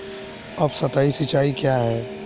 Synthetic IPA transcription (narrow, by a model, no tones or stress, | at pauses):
ɐbsɐt̪aːisit͡ʃaːikjaɦɛː